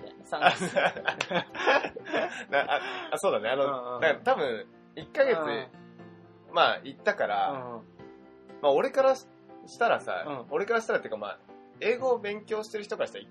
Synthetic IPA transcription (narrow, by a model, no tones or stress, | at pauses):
a | d̪aʔaso̞ːd̪aneano̞d̪akat̪abɯ̟̃ɴ̃ | ikːaɡe̞t͡sɨ | mait̪ːakaɾa̰ | mao̞ɾe̞kaɾa | ɕi̥t̪aɾasa̰o̞ɾe̞kaɾaɕi̥t̪aɾat̪ejɯkama̰ː | e̞ːɡoːbẽ̞ŋkʲo̞ːɕi̥t̪e̞ɾɯ̟çi̥t̪okaɾaɕi̥t̪ai